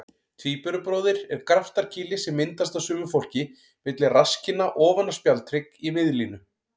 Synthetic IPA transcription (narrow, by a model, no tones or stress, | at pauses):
t̪ʰviːpœɾʏpɾɔːðɪɾɛɾ̥kɾaft̪aɾ̥cʰɪːlɪsɛmːɪnt̪ast̪asʏːmʏfowl̥cɪ | vɪt̪lɪrascɪnːaʔɔːvanːaspjalt̪ʰɾɪkimɪðlinʏ